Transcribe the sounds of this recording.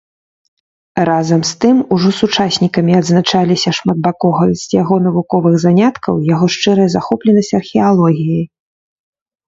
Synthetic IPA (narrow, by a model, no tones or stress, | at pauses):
ɾazɐmst̪ɨmuʐɔsut͡ʂasʲnʲikɐmʲiɐd̪znat͡ʂalʲisʲɐʂmad̪̚bakɔɣɐsʲjaɣɔnɐvukɔvɨɣzanʲat̪kʰɐwjaɣɔʂt͡ʂɨɾɐjɐzaxɔplʲɛnɐsʲt͡sʲɐrxʲɛalˠɔɣʲiji